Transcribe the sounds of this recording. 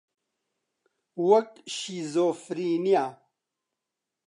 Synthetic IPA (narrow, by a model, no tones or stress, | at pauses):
wɐkɕizoːfɾiːnijaː